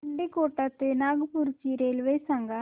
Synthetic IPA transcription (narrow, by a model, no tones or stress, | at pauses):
ɐɳɖikoːʈːat̪ːenaːɡpuɾt͡ʃiɾelʋesɐŋɡa